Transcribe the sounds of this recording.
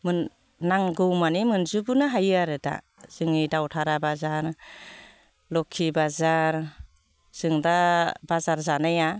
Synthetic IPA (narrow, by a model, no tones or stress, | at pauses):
mɯnː | aŋɡɯwmanimɯnzubɯnɯɦajɯaɾɯda̰ | z̥ɯŋidawtʰaɾabazaɾ | lɔkʰibazaɾ | z̥ɯŋdabazaɾzanaja